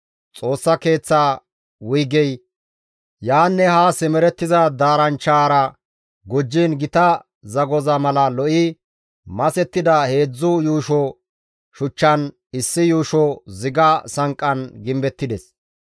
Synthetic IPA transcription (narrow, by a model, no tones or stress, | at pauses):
t͡sʼo̞ːsːɐke̞ːt͡sːaː | wʊjɡɛj | jaːnːɛhaːsɛmɛɾɛt̪ːɪzɐd̪aːɾɐnt͡ʃːaːɾɐ | ɡɔd͡ʒːinɡɪt̪ɐ | zɐɡɔzɐmɐlɐlɔʔɪ | mɐsɛt̪ːɪd̪ɐhe̞ːd͡zːʊjuːʃɔ | ʃʊt͡ʃːɐn | ɪsːɪjuːʃɔzɪɡɐsɐŋkʼːɐnɡɪmbɛt̪ːɪd̪ɛs